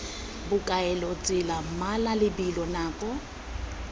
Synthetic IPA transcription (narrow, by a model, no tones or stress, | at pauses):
bʊkʼaɛlɔt͡sʼɪlam̩malalɪbilɔnaːkʼɔ